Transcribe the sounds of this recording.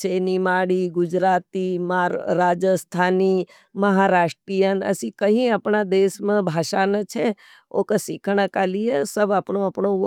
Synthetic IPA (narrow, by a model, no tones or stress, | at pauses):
t͡ʃenimaːɽiɡʊd͡ʒɾaːt̪imaɾaːd͡ʒəst̪ʰaːni | məɦaɾaːʂʈɾijənɐ̰sĩkəɦĩəpɳad̪eːsmãbʱaːʃanət͡ʃʰe | o̰kəsɪkʰəɳ̃əkalijesəbapɳoəpɳo